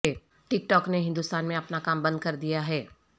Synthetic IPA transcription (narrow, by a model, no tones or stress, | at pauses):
e | ʈɪk̚ʈɔːkneɦɪ̃nd̪ʊst̪aːnmẽɐpnakaːmbɐ̃nd̪̚kɐɾd̪ijaɦɛː